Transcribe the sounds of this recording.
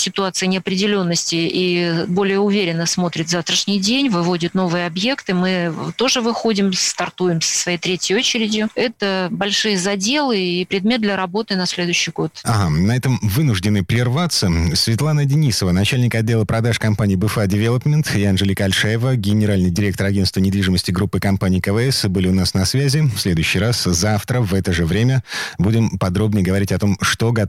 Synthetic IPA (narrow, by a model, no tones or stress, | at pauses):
sʲɪt̪ʊat̪sɨjənʲɪɐpɾʲɪdʲɪlʲo̞nːəsʲtʲɪibo̞lʲɪjəʊvʲeɾʲɪnːəsmo̞t̪ɾʲɪt̪zaft̪ɾəʂnʲɪjdʲenʲvɨvo̞dʲɪt̪no̞vɨjəɐbje̞kt̪ɨmɨt̪o̞ʐɨvɨxo̞dʲɪmst̪ɐrt̪ujɪmsə̥svɐjejt̪ɾʲetʲjəjot͡ɕɪɾʲɪdʲjʊɛt̪əbɐlʲʂɨjəzɐdʲe̞lˠɨipɾʲɪd̪̚mʲe̞t̪d̪lʲɐɾɐbo̞t̪ɨnɐsʲlʲe̞d̪ʊjɕːɪjɡo̞t̪aɦanɐɛt̪əmvɨnʊʐdʲɪnɨpɾʲɪrvat̪sːəsʲvʲɪt̪lˠanədʲɪnʲisəvənɐt͡ɕælʲnʲɪkɐdʲːelˠəpɾɐd̪aʂkɐmpanʲɪːbɨfɛdʲɪvʲelˠəpmʲɪnt̪ɪanʐɨlʲɪkɐlʲʂɛjɪvəɡʲɪnʲɪɾalʲnɨjdʲɪɾʲe̞k̚t̪əɾɐɡʲe̞nst̪vənʲɪd̪vʲiʐɨməsʲtʲɪɡɾupːɨkɐmpanʲɪiːkəvɛɛsbɨlʲɪʊnasnɐsvʲæzʲɪfsʲlʲe̞d̪ʊjʉɕːɪjɾaszaft̪ɾəvɛt̪əʐɨvɾʲemʲəbudʲɪmpɐd̪ɾo̞bnʲəjəɡəvɐɾʲitʲɐt̪o̞mʂt̪o̞ɡɐ